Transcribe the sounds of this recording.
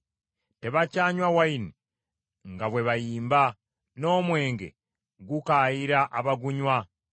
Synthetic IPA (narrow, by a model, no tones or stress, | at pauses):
te̞βacaːɲwawaini | ŋɡaβwe̞βajiːmba | no̞ːmwe̞ːŋɡe̞̰ | ɡukaːjiɾaʔaβaɡuɲwa